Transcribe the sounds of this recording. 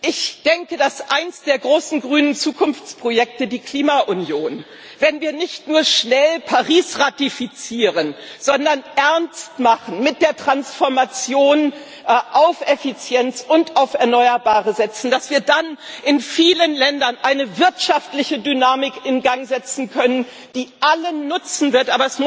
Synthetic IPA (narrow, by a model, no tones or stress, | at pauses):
ʔɪçd̥ɛŋkədasʔaɪnəsd̥eːɐɡʁoːsn̩ɡʁyːnənt͡suːkʊnft͡spʁ̥ojɛk̚tədiːkʰl̥iːmaʔʊnjoːn | vɛnviːɐnɪçtnuːɐʃnɛlpʰaʁiːsʁatifit͡siːʁənz̥ɔndɐnʔɛɐnstmaχn̩mɪt̚d̥eːɐtʁ̥ansfɔɐmat͡sjoːn | ʔaʊfʔɛfit͡sjɛnt͡sʊntaʊfɛɐnɔʏɐbaːʁəzɛt͡sn̩d̥asv̥iːɐdanʔɪnfiːlənlɛndɐnʔaɪnəvɪɐtʃaftlɪçədynaːmɪkɪnɡaŋzɛt͡sn̩kʰœnən | d̥iːʔalənːʊt͡sn̩vɪɐtʔaːbɐɛsmʊ